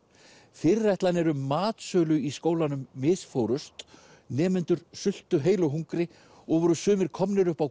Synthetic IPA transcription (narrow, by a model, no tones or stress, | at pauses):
fɪɾːɛjht̪lanɛɾʏːaːt̪sœːlʏiskoːwlanʏmːɪsfowɾʏst̪ | nɛːmɪnt̪ʏɾ̥sʏl̥t̪ʏɦeːjlɔɦuŋkɾɪ | ɔɣvɔɾʏsʏːmɪɾ̥kʰɔmnɪɾʏhpaw